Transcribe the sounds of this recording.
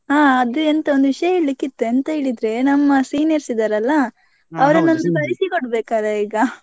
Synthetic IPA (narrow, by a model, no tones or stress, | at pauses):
ɦaːɐd̪uent̪ɐond̪uʋiʂɐjɐeːɭlikːit̪ːuɐnt̪ɐɦeːɭid̪ɾe̞nɐmːɐsiːnijɐɾsid̪aːɾɐlːɐ | ɐʋɐɾɐnːɐnd̪ubɐɾisikoɽbeːkaːɾeiːɡɐ